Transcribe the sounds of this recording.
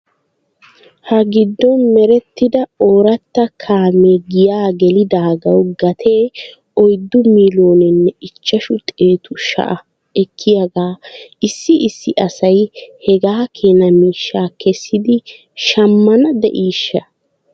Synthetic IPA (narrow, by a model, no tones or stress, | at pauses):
hɐɡɪd̪ːɔnmɛɾɛt̪ːɪd̪ɐoːɾɐt̪ːɐkʰaːmeɡɪjaːɡɛlɪd̪aːɡɐwɡɐt̪ʰeː | ɔjd̪ːʊmiːlo̞ːnɪnːɛɪt͡ʃːɐʃʊt̪ʼeːt̪ʊʃɐ̰ʔɐ | ɛkʰːɪjɐɡaːʔɪsːɪɪsːɪʔɐsɐjhɛɡaːkʰeːnɐmiːʃːaːkʰɛsːɪd̪ɪ | ʃɐmːɐnɐd̪ɛ̰ʔiːʃːɐ